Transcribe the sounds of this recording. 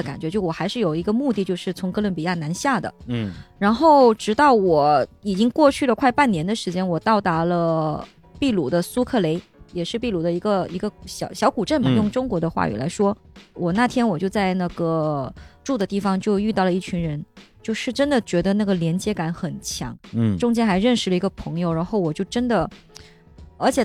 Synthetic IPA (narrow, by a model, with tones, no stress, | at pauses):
ka˨˩nt͡ɕɥt͡ɕjo˥˩ʊ˩wɔ˨˩xa˧˥ɪʂɻ̩˥˩jo˨˩ʊi˧˥ɡə˧mu˥˧t̪i˥˧t͡ɕjo˥˧ʊʂɻ̩˥˩t͡sʰʊ˧˥ŋkɤ˥lə˧˥npi˨˩ja˥˩na˧˥nɕja˥˩d̪ə̰˩ɻa˧˥nxo˥˩ʊʈ͡ʂɻ̩˧˥t̪ɑ˥˩ʊwɔ˨˧˩i˨˩t͡ɕi˥ŋkwɔ˥˧t͡ɕʰy˥˩lə˩kʰwa˥˧ɪpa˥˩njɛ˧˥nd̪ə˨˧ʂɻ̩˧˥t͡ɕjɛ˥nwɔ˨˩t̪ɑ˥˩ʊt̪a˧˥lə˧ | pi˥˩lu˨˩d̪ə˦su˥kʰɤ˥˩le˧˥ɪjɛ˨˩ʂɻ̩˥˧pi˥˩lu˨˩d̪ə˧i˧˥ɡə˧i˧˥ɡə˧ɕjɑ˨˩ʊɕjɑ˧˥ʊku˨˩ʈ͡ʂə˥˩nmə˨˩njʊ˥˩ŋʈ͡ʂʊ˥ŋkwɔ˧˥d̪ə˧xwa̰˥˩y̰˨˩la˧˥ɪʂwɔ˥wɔ˨˩na˥˩t̪ʰjɛ˥nwɔ˨˩t͡ɕjo˥˧ʊt͡sa˥˧ɪna˥˩ɡə˩ʈ͡ʂu˥˩d̪ə˩t̪i˥˩fɑ˩ŋt͡ɕjo˥˧ʊy˥˧t̪ɑ˥˩ʊlə˩i˥˩t͡ɕʰy˧˥nɻə˧˥nt͡ɕjo˥˧ʊʂɻ̩˥˩ʈ͡ʂə˥nd̪ə˨˩t͡ɕɥɛ˧˥d̪ə˧na˥˩ɡə˩ljɛ˧˥nt͡ɕjɛ˥ka˨˥nxə˨˩nt͡ɕʰjɑ̰˧˥ŋʈ͡ʂʊ˥ŋt͡ɕjɛ˥nxa˧˥ɪɻə˥˧nʂɻ̩˥˩lə˩i˧˥ɡə˧pʰɤ˧˥ŋjo˧ʊɻa˧˥nxo˥˩ʊwɔ˨˩t͡ɕjo˥˩ʊʈ͡ʂə˥nd̪ə˨ | ə˞˧˥t͡ɕʰjɛ˨˩